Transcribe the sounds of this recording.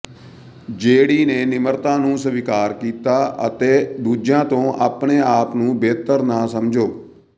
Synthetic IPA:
d͡ʒeːɽiːneːnɪməɾt̪ãːnũːsəʋikaːɾkiːt̪aːə̰t̪eːd̪uːd͡ʒjãːt̪õːʔa̰ːpɳeːaːpnũːbeːt̪əɾnãːsəmd͡ʒoː

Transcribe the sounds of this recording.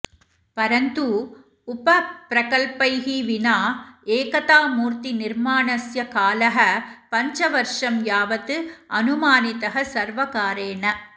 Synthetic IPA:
pɐɾɐnd̪u | ʊpɐpɾɐkɐlpɐɪɣiʋɪnaːeːkɐt̪aːmuːɾt̪inɪɾmaːnɐsjɐkaːlɐɦɐpɐɲd͡ʒɐʋɐɾʂɐmjaːʋɐt̪ːɯɐnʊmaːnɪt̪ɐɦɐsɐɾʋɐkaːɾeːnɐ

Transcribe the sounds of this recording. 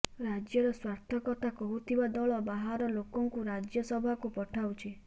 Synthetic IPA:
ɾad͡ʒjɔɾɔswaɾt̪ʰɔkɔt̪ʰakɔɦut̪ʰibad̪ɔɭɔbaɦaɾɔlokɔŋkuɾad͡ʒjɔsɔbʱakupɔʈʰaut͡ʃʰi

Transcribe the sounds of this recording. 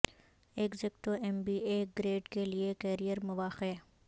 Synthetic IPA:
ekzɪkʈ̪oɛmbiːeːɡɾeːʈkeliekɛːɾijəɾmʊʋaːxe

